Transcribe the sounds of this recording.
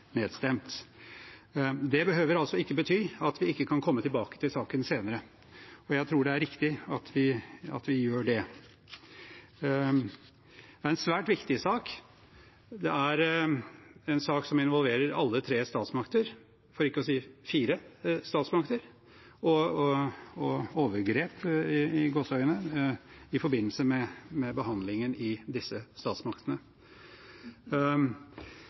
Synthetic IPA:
neːd̪st̪ɛmt̪ | d̪ɛbəɦøːʋəɾɑlsɔɪkːəbət̪ʰyːɑt̪ʋɪɪkːəkʰɑnkʰɔmːət̪ʰɪlbɑːkə̥t̪ʰɪlsɑːkənseːnəɾə | ɔjæɪt̪ʰɾuːɖɛæɾɪkt̪ɪɑt̪ʰʋɪɑ̰t̪ʋɪjøːɖɛ | d̪ɛæɾɛnsʋæːʈʋɪkt̪ɪsɑːk | d̪ɛʔæɾ | ɛnsɑːksɔmɪnʋɔlʋeːɾəɾɑ̰lːət̪ʰɾeːst̪ɑːt̪smɑkt̪əɾ | fɔɾɪkːəɔsiːfiːɾəst̪ɑːt̪smɑkt̪əɾ | ɔ | ɔoːʋəɾɡɾeːpɪɪɡoːsœʏənə | ɪfɔɾbɪnːəlsəmɛmɛbəɦɑnd̪lɪŋənɪd̪ɪsːəst̪ɑːt̪smɑkt̪ənə

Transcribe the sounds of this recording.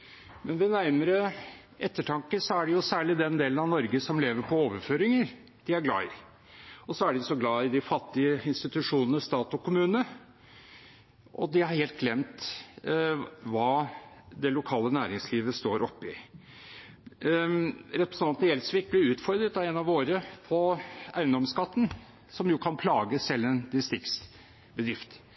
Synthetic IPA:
mɛnʋɛnæɾməɾə | ʔɛt̪ːəʈʰɑŋkəsɔæɖɛjʊsæːɭɪd̪ɛnd̪eːlənɑʋnɔɾɡəsɔmleːʋəɾpʰɔoːʋəɾføːɾɪŋəɾ | d̪̥ɪæɾɡlɑ̰ːɪ | ɔsɔæɖɪɔsɔɡlɑːɪd̪ɪfɑt̪ːɪəɪnst̪ɪt̪ʉʂuːnənəst̪ɑːt̪ɔkʊmʉːnə | ʔɔ̰d̪ɪhɑɾheːlt̪̚ɡlɛmt̪ | ʋɑːd̪ɛlʊkʰɑːlənæːɾɪŋsliːʋəst̪oːɾʔɔpːɪ | ɾɛt̪pɾəsn̩ʰɑnt̪nəjɛlsʋɪk̚blɪʉːt̪fɔɾd̪ɾət̪ɑɛnɑʋoːɾəpʰɔæ̰ɪənd̪ɔmskɑt̪ːən | sɔmjʊːkʰɑnpʰlɑːɡəsɛlːənd̪ɪst̪ɾɪks | bəd̪ɾɪft̪

